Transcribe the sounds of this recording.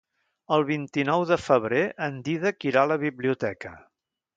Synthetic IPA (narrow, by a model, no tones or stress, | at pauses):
əlˠβint̪inɔwðəfəβ̞ɾeʔənd̪iðəkiɾaləβiβliut̪ɛkə